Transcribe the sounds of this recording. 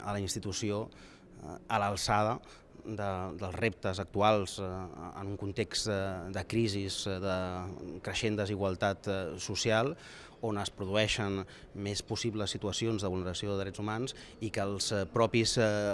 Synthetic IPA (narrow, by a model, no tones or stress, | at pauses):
ə̰ləinst̪it̪usio | ələlˠsaðə | d̪əd̪əlˠzrep̚t̪əzək̚t̪ualˠz̥ə̰nuŋkunt̪ekst̪d̪əkɾizizðəkɾəʃend̪əziɣwəlˠt̪at̪susialˠ | onəspɾuðuɛʃən | mespusiβləsːit̪uəsionzðəβulnəɾəsioðəðɾɛd͡zzumanz | ikəlˠspɾɔpis